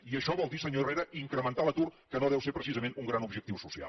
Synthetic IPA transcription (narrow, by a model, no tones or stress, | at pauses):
iəʃɔβɔlˠd̪isəɲoreɾəʔiŋkɾəmənt̪alət̪urkənoðɛwseɾpɾəsizəmenuŋɡɾanubʒək̚t̪iwsusia̰l